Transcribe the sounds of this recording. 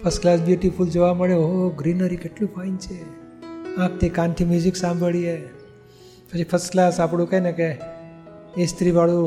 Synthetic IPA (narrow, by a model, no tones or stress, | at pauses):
pʰəsklasbjuʈifuld͡ʒoʋaməɭeooɡɾinəɾikeʈlũfʰaint͡ʃʰe | ãk̚t̪ʰikant̪ʰimjud͡ʒiksãmbʱəɭie | pət͡ʃʰipʰəsklasapɽũkajneke | est̪ɾiʋaɭũ